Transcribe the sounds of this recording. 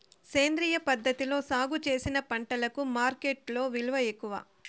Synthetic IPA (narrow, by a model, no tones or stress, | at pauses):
se̞ːnd̪ɾiːjɐpɐd̪ʱːɐt̪ilo̞ːsaːɡut͡ʃe̞ːsinɐpɐɳʈɐlɐkumaːɾkeʈlo̞ːʋiluʋɐekːuʋa̰ː